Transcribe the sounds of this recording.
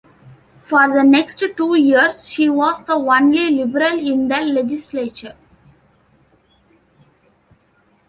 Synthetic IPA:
fɔːɾd̪əneksʈʈuːjiəɾsʃiːʋɔːsd̪əʋʌ̃nlilɪbəɾəlɪ̃nd̪əːed͡ʒɪsleːt͡ʃəɾ

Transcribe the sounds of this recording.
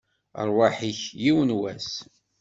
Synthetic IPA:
ə̰ɾˤwaħiçjiwənwæs

